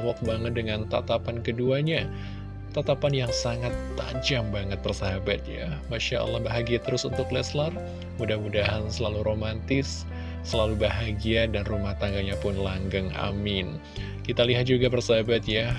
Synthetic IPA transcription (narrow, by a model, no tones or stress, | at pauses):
wɔk̚baŋət̪̚dəŋant̪at̪apankəduaɲa | t̪at̪apanjaŋsaŋat̪ːa̰d͡ʒambaŋət̪̚bərsaɦabat̪̚ja̰maʃaə̰lːɑhbaɦaɡiat̪əɾʊsunt̪ʊklɛslar | mudahmudaɦansəlaluɾomant̪ɪsː | əlalubaɦaɡiadanrumaht̪aŋɡaɲapʊnlaŋɡaŋa̰mɪn | kit̪aliɦat̪̚d͡ʒuɡabərsaɦabat̪ja